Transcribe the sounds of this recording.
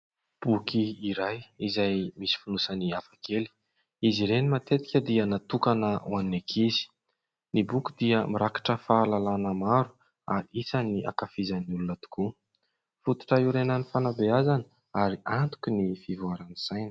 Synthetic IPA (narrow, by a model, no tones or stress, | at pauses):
b̥ukiiɾajizajmisi̥funusaniafakeli̥ | iziɾenimat̪et̪i̥kʲəd̪iənat̪ukanəwannekʰizi̥ | nibukid̪iəmiɾakḁʈ͡ʂəfaːlalanəmaɾu | a̰ɾiisaniʔa̰kafizaniulunət̪u̥ku | fut̪u̥ʈ͡ʂəiɾenanifanabeazanə | aɾiʔant̪u̥kʲunifivuaɾanisajnə̥